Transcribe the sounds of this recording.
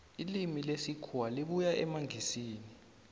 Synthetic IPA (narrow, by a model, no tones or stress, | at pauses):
ilimilesikʰuwaliɓujaɛmaŋʱisiːni